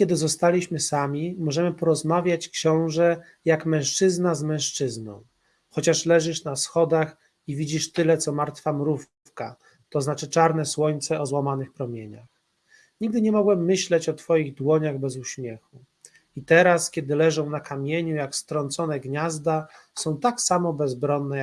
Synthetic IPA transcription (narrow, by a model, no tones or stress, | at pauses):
kjɛd̪ɘzɔst̪alʲiɕmɘsamʲimɔʐɛmɘpɔɾɔzmavʲjat͡ɕkɕɔ̃w̃ʐɛ | jakmɛ̃w̃ʂt͡ʂɘznazmɛ̃w̃ʂt͡ʂɘznɔ̰̃w̃ | xɔt͡ɕaʂlɛʐɘʂnasxɔd̪ax | ivʲid͡ʑiʂt̪ɘlɛt̪sɔmaɾt̪famɾuf | ka̰ | t̪ɔznat͡ʂɘt͡ʂaɾnɛswɔɲt̪sɛʔɔzwamanɘxpɾɔmʲjeɲa̰x | ɲiɡd̪ɘɲɛmɔɡwɛmːɘɕlɛt͡ɕɔt̪fɔjiɣd̪wɔɲaɣbɛzuɕmʲjɛxu | it̪ɛɾaskʲɛd̪ɘlɛʐɔ̃w̃nakamʲjeɲujakst̪ɾɔnt̪sɔnɛɡɲazd̪a | sɔ̃w̃t̪aksamɔbɛzbɾɔnːɛ